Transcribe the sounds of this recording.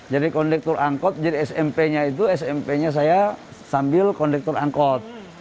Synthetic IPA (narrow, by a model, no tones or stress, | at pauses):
d͡ʒadikɔndɛk̚t̪uraŋkɔt̪̚d͡ʒadiɛsɛmpɛɲait̪̬uɛsɛmpɛɲas̬aja | sambɪlkɔndɛk̚t̪ura̰ŋkɔt̪̚